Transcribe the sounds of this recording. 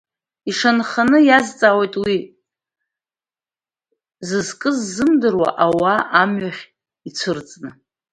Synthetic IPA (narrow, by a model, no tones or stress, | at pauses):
iʂanχanɨjazt͡sʼaːwejtʼwi | zɨzkʼɨzːɨmdɨrwa̰ʔawaʔamɥaχʲ | it͡sʷʰɨrt͡sʼnɨ